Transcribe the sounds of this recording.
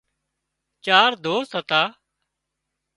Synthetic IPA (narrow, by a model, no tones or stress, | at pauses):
t͡ʃaːɾd̪oːst̪ɦət̪aː